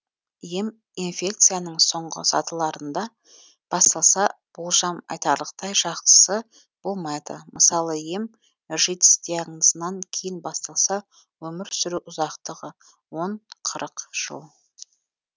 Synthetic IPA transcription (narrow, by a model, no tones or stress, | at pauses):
jem | infʲe̞k̚t̪sɨjanəɴso̞ɴʁə̰sɑ̰t̪əlˠɑɾənd̪ɑ | b̥ɑst̪ɑlˠsɑ | b̥ʊlˠʒɑmɑ̰jt̪ɑɾlˠəqt̪ɑjʒɑqt̪ə̥sə | b̥o̞lˠmɑjd̪ə̰məsɑlˠəjem | ʒet̪ɪ̥st̪eɴəzənɑŋkʲʰejɪnbɑst̪ɑlˠsɑ | wɵmɪɾsʏɾuʔʊzɑqt̪əʁə | wo̞ɴqʰəɾəqʒ̥ə̰lˠ